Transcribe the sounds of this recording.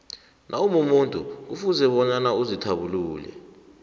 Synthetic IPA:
nʔaumumuntʼṵk̬ufuzɛɓɔɲanauzitʰaɓuluːlɛ̰

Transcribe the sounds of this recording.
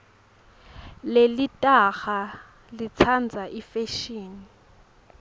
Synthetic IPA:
lelitʼaxa | lit͡sʰand͡zʱaʔifeʃiːni

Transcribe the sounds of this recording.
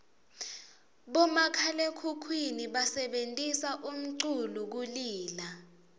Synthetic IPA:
ɓɔmakʰalekʰukʰwiniɓasɛɓentʼisaʔum̩ǀuluk̬uliːla

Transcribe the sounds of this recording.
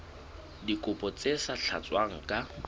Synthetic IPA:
dikʼʊpʼɔt͡sʼesaɬʰa̰t͡sʼwaŋ̩kʼa

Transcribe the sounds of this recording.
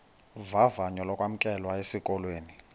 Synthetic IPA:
vavaɲɔlɔkʼwam̩kʼɛlwaesikʼɔlweːni

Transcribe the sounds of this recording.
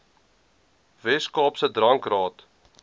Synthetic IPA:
vɛskɑːpsədrɐŋkrɑːt

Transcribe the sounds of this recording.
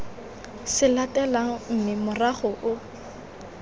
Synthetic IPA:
sɪlatʼɛlaŋ̩m̩mɪmʊraχʊʔʊ

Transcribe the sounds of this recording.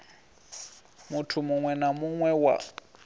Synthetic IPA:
mutʰumʊŋwɛnamuŋwɛwa̰

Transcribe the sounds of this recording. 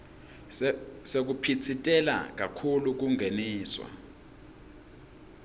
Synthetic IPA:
sek̬upʰit͡sʰitʼɛla̰k̬akʰuluk̬uŋʱeniːswa̰

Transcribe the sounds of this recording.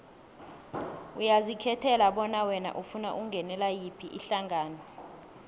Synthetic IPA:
ujazikʰɛtʰɛlaɓɔnawɛna̰ʔufuna̰ʔuŋɡʱɛnɛlajipʰiʔiɬaŋʱaːnɔ

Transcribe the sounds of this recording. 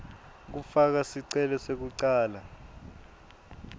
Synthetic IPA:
k̬ufak̬asiǀɛlɛsek̬uǀaːla

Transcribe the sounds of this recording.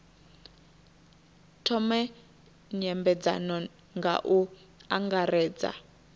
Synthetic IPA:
tʰɔmɛ | ɲɛmbɛd͡za̰nɔ | ŋɡa̰ʔu | aŋɡarɛːd͡za̰

